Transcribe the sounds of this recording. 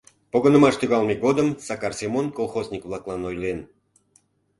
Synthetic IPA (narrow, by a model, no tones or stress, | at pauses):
poɣənə̆mɑʃt̪yɣɑlˠmʲeɡod̪əmsɑkɑrsʲemonkolˠxozʲnʲikvlˠɑklˠɑnojlen